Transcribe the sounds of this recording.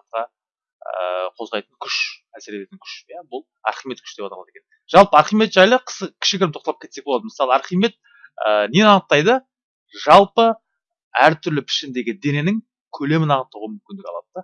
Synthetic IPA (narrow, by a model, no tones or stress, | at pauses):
ɑt̪̚qɑ | ə̰qʰo̞zʁɑjt̪əɴkʲʰʏʃæseɾet̪et̪ɪŋkʲʰʏ̥ʃjabʊlˠ | ɑ̰ɾχimet̪kʲʰʏ̥ʃd̪e̞pɑt̪ɑlˠɑd̪eken | ʒ̥ɑlˠpəɑɾχijme̞t̪ʒɑjlˠəqʰə̥səkʲʰɪ̥ʃkɪkʰʲɪɾmt̪ʰot̪ɑlɑkʲet̪se̞k̚boɑd̪əməsɑlˠəɑɾχijme̞t̪̚ | ə̰nenɑnət̪ːɑjd̪ə | ʒɑlˠpə | æɾt̪ʰʏɾlɪpʰɪ̥ʃɪnd̪e̞ɡʲɪd̪e̞ne̞nɪŋ | kʲʰɵle̞mɪnɑnəqt̪ːəʁəmʏmkʲɪnd̪ɪkʲɑ̰lˠɑ̰d̪əd̪ɑ